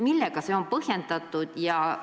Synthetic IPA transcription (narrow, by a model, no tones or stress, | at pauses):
milːeɡ̥ɑseo̞mpɤhje̞nd̪ɑt̪ːˑud̪̥jɑ